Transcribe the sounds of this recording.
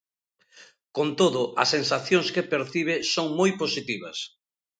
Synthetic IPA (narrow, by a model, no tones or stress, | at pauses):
kont̪oðʊʔɐ̰sːensaθjoŋskepeɾθiβ̞ɪsoŋmojposit̪iβɐs